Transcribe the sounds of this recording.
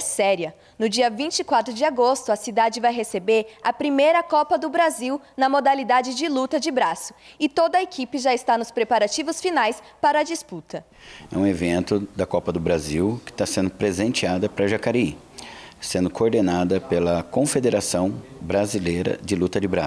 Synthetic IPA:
ɛsɛɾiɐ | nʊd͡ʒiɐvĩt͡ʃɪkwat̪ɾʊd͡ʒɪaɡost̪ʊɐsid̪ad͡ʒɪvajɦesebeɾɐpɾimejɾɐkɔpɐd̪ʊbɾaziwnɐmod̪alid̪ad͡ʒɪd͡ʒɪlut̪ɐd͡ʒɪbɾasʊ̥ | ɪt̪od̪ɐekipɪʒaɪst̪anʊspɾepaɾat͡ʃivʊsfinajs | paɾɐd͡ʒisput̪ɐ | ɛ̰ũevẽnt̪ʊd̪ɐkɔpɐd̪ʊbɾaziwkɪ̥t̪asẽnd̪ʊpɾezẽnt͡ʃiad̪ɐpɾɐʒakaɾi | sẽnd̪ʊkoːɾd̪enad̪ɐpelɐkõfed̪eɾasɐ̃w̃bɾazilejɾɐ̰d͡ʒɪlut̪ɐd͡ʒɪbɾa̰s

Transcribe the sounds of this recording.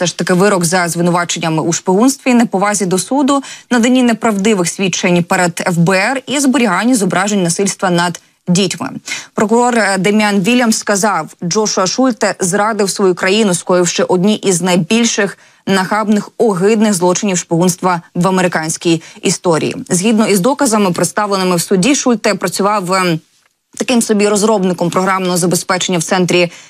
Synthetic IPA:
sɛʃt̪ɐkɪʋɪɾɔɡzɐzʋɪnʊʋɑt͡ʃenʲːɐmɪʔuʃpɔɦunst̪ʋʲinɛpɔʋɑzʲid̪ɔsud̪ʊnɐd̪ɐnʲinɛpɾɐwd̪ɪʋɪxsʲʋʲit͡ʃenʲpɛɾɛd̪ɛfbɛɛrizbɔɾʲiɦɑnʲːizɔbɾɑʒenʲnɐsɪlʲst̪ʋɐnɐd̪ | dʲitʲmɪ̰pɾɔkʊɾɔrd̪ɐmʲjanʋʲilʲjɐmskɐzɑwd͡ʒɔʃʊɐʃulʲt̪ɛzɾɑd̪ɪwsʋɔjukɾɐjinʊskɔjɪwʃt͡ʃɛʔɔdʲnʲiʔiznɐjbʲilʲʃɪx | nɐɦɑbnɪxɔɦɪd̪nɪɣzlˠɔt͡ʃɪnʲiwʃpɔɦunst̪ʋɐʋɐmeɾɪkɑnʲsʲkʲijist̪ɔɾʲḭjḭzɦʲid̪nɔizd̪ɔkɐzɐmɪpɾeɪt̪st̪ɑʋlenɪmɪwsʊdʲiʃulʲt̪ɛpɾɐt͡sʲʊʋɑw | t̪ɐkɪmsɔbʲiɾɔzɾɔbnɪkɔmpɾɔɦɾɑmnɔɦɔzɐbespɛt͡ʃenʲːɐwt̪sɛnt̪ɾʲi

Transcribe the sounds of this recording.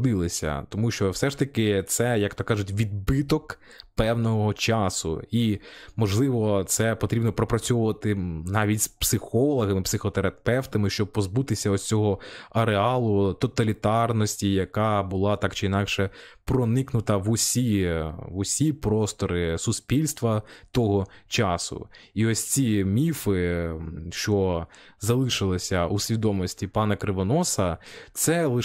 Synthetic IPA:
d̪ɪlˠɪsʲɐ̰t̪ɔmuʃt͡ʃɔwsɛʃt̪ɐkɪt̪sɛjɐkt̪ɔkːɑʒʊtʲʋʲid̪̚bɪt̪ɔk | pɛwnɔɦɔt͡ʃɑsʊ̰imɔʒlˠɪʋɔt̪sɛpɔt̪ɾʲibnɔpɾɔpɾɐt͡sʲɔʋʊʋɐt̪ɪnɑʋʲitʲspsɪxɔlˠɔɦɐmɪpsɪxɔt̪eɾɐpɛwt̪ɐmɪʃt͡ʃɔb̚pːɔzbut̪ɪsʲɐɔt͡sʲɔɦɔɐɾeɑlˠʊt̪ɔt̪ɐlʲit̪ɑrnɔsʲtʲijɐkɑbʊlˠɑt̪ɑkt͡ʃɪinɑkʃɛpɾɔnɪknʊt̪ɐʋʊsʲiʋʊsʲipɾɔst̪ɔɾɪsʊsʲpʲilʲst̪ʋɐt̪ɔɦɔt͡ʃɑsʊ̰iɔsʲt͡sʲimʲifɪ | ʃt͡ʃɔzɐlˠɪʃɪlˠɪsʲɐusʲʋʲid̪ɔmɔsʲtʲipɑnɐkɾɪʋɔnɔsɐt̪sɛlˠɪ

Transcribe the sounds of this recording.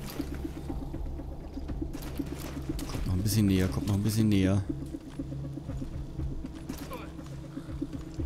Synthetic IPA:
kʰɔmtnɔχnbɪsçənːeːɐkʰɔmtnɔχn̩bɪsçənːeːɐ

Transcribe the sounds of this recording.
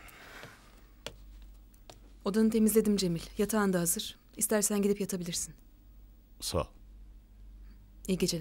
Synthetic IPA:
o̞d̪anɯt̪ʰe̞mizlʲe̞d̪imd͡ʒe̞milʲjat̪ʰaːnd̪aɦazɯɾ̥ | ist̪ʰæɾsænɟid̪ipjat̪ʰabilʲiɾsin | sa̰ | iɟe̞d͡ʒe

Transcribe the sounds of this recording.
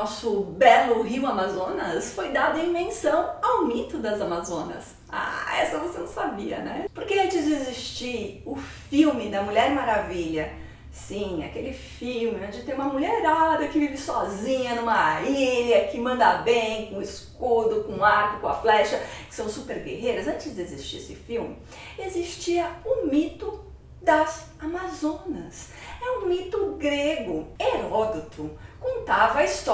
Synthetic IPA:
nɔsʊbɛlʊɦiwamazõnɐsfojd̪ad̪ʊɐĩmẽsɐ̃w̃awmit̪ʊd̪ɐzamazõnɐ̰s | a̰ɛ̰sɐvosenɐ̃w̃sabiɐ̰nɛpoɾkeɐ̃nt͡ʃɪzd͡ʒeziʃt͡ʃiʊfiwmɪd̪ɐmuʎɛɾmaɾaviʎɐ | sĩa̰kelɪfiwmɪnɛ̃d͡ʒɪt̪eɾumɐmuʎɛɾɾad̪ɐkɪvivɪsɔzĩɲɐnũmɐiʎɐkɪmɐ̃nd̪a̰bẽj̃kõɪskkod̪ʊkõaɾkʊkõɐflɛʃɐkɪ̥sɐ̃w̃supeɾɡḛhejɾɐzɐ̃t͡ʃɪzd͡ʒezist͡ʃiɾesɪfiwmɪ | ezist͡ʃiɐʊmit̪ʊ | d̪ɐz | amazõnɐs | ɛʊ̃mit̪ʊɡɾeɡʊeɾɔd̪it̪ʰʊkõnt̪avɐɐist̪ɔ

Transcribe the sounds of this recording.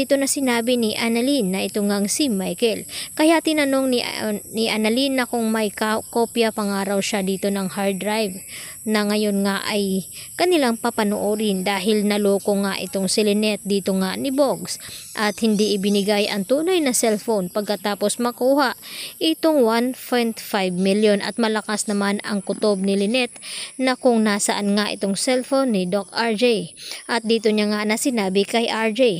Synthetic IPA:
iːt̪o̞nɐsɪnaːbɪnɪʔanɐlinːɐʔɪt̪oŋaŋsɪmajkɛlkɐjaʔt̪ɪnɐno̞ŋnɪnɪʔanɐlinːɐkʊŋmɐjkkopjɐpɐŋaːɾɐwʃad̪iːt̪o̞nɐŋhaɹd̪ɾajvnɐŋɐjo̞nŋaʔɐjkɐnɪlaŋpɐpɐnoʔoːɾɪnd̪aːɦɪlnɐloːko̞ŋaʔɪ̰t̪o̞ŋsɪlɪnɛt̪̚d̪iːt̪o̞ŋaʔnɪboɡsʔɐt̪hɪnd̪iʔɪbɪnɪɡajʔɐŋt̪uːnɐjnɐsɛlfonpɐɡ̚kɐt̪aːposmɐkuːhaʔʔɪt̪oŋwanpojnt̪fajvmiljonʔɐ̰t̪̚mɐlɐkasnɐmanɐŋkʊt̪ob̚nɪlɪnɛt̪nɐkʊŋnasɐʔanŋaʔɪ̰t̪oŋsɛlfonːɪd̪okaɹd͡ʒɛjʔɐt̪̚d̪iːt̪oɲaŋanɐsɪnaːbɪkɐjʔaɹd͡ʒɛj

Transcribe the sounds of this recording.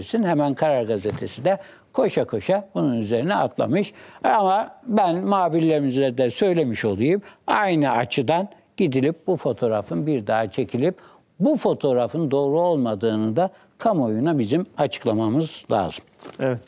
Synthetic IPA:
ɾsinhemænkʰaɾaɾɡazet̪ʰe̞sid̪ɛ | kʰo̞ʃakʰo̞ʃabununyze̞ɾinɛa̰t̪ʰlˠa̰mɯʃamabænmaːbilʲːeɾimizlʲæd̪ɛsø̞jlʲe̞miʃo̞lˠujumajnɯat͡ʃʰɯd̪an | ɟ̥id̪ilʲip̚bufo̞t̪ʰo̞ɾafɯnbiɾd̪aɦat͡ʃʰe̞cʰilʲip | bufo̞t̪ʰo̞ɾafɯnd̪o̞ːɾuo̞lˠmad̪ɯːnɯd̪a | kʰamo̞junabizimat͡ʃʰɯ̥klˠamamɯzlʲa̰ːzɯmeɛt̪

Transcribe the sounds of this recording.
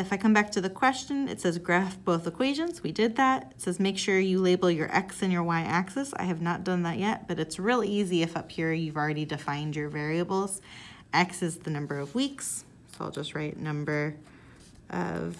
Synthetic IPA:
ɨfaɪkʰʌ̃mbæk̚tʰɨðɨkʰw̥ɛst͡ʃɨ̃nɨ̰tsɛzɡɹæfb̥oʊθəkʰw̥eɪʒɨ̃nz̥widɪd̪̚ðæt̚ɨtsɛzmeɪkʃʊɹjɨleɪbl̩ˠjə˞ʔɛ̰ksɨ̃njə˞waɪʔæksɨsa̰ɪɨvnət̚d̥ʌ̃nðɨʔ̚jɛt̚b̥ʌɾɨtsɹɪlˠiiziɨfʌphiɹjʉvl̩ˠɹɛɾidɨfãɪ̃nd͡ʒə˞vɛɹiɨbl̩ˠz̥ʔɛksɨzðɨnʌ̃mbə˞ʌvwiks | soʊɪ̰lˠd͡ʒʌst̚ɹaɪʔⁿnʌ̃mbə˞ | ʔʌ̰v̥

